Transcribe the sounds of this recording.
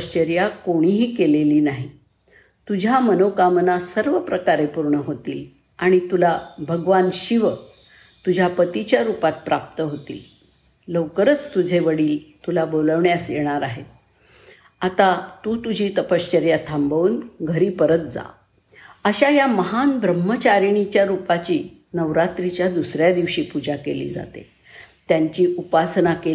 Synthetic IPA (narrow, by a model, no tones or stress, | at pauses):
əɕt͡ɕəɾjakoɽ̃iɦiːkeleliːnaɦi | t̪ud͡ʑʱjamənokamənasəɾʋəpɾəkaɾepuɾɳəɦot̪iːl | aɽ̃it̪ulabʱəɡʋanɕiʋə | t̪ud͡ʑʱjapət̪it͡ɕjaɾupat̪̚pɾap̚t̪əɦot̪ḭːl | ləʋkəɾət͡st̪ud͡zʱeʋəɽiːlt̪ulaboləʋɳjasjeɽ̃aɾaɦe | at̪at̪ut̪ud͡ʑʱiːt̪əpəst͡ɕəɾjat̪ʰambəʋuːnɡʱəɾiːpəɾət̪̚d͡za̰ | əɕajaməɦanbɾəmːət͡ɕaɾɳ̃it͡ɕjaɾupat͡ɕiː | nəʋɾat̪ɾit͡ɕjad̪usɾjad̪iʋɕiːpud͡ʑakelḭːd͡za̰t̪ḛ | t̪jaɲt͡ɕiːupasnake